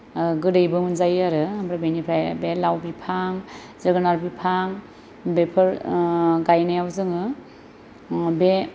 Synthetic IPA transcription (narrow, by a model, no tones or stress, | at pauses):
ɡɯɾɯjbɯmɯnzajaɾɯambɾabenipʰɾajbelawbipʰaŋ | zɯɡɯnaɾbipʰaŋ | bepʰɯɾɡajnajawzɯŋɯ | be